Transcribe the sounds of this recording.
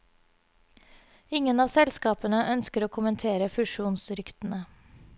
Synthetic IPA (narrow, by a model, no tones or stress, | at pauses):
ɪŋənɑːsɛlskɑːpənəʔœnskəɾoːkʰʊmənt̪ʰeːɾəfʉʃuːnsɾʏkt̪n̩ə